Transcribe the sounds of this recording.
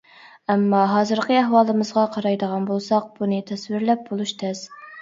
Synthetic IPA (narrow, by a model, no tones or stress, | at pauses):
ɛmːɑɦɑːzɨɾqəæɦwɑːlˠɨmɨzʁɑqʰɑɾɑjd̪əʁɑnbolˠsɑq̚b̥unɨt̪ʰɛswɪɾlɛp̚bolˠuʃt̪ʰɛz̥